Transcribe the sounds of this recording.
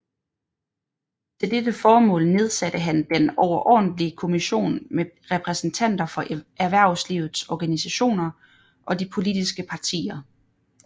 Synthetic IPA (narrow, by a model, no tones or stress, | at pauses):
t͡sʰe̝ld̥edəfɒːmɔ̰̽ːlne̝ð̞ˠsæd̥əɦænd̥enɒʊɐʔɒ̰ːd̥n̩dliəkʰo̝miɕo̝̰ːnmeʁɛpʰʁɛsn̩t͡sʰæn̰d̥ɐfɒ̽ʔæɐʋæɐ̰ʊsliʊð̩ˠsɒɡ̥ænisæɕo̝̰ːnɐ | ʔɒ̽d̥ipʰo̝lid̥isɡ̥əpʰɑ̈t͡sʰḭːɐ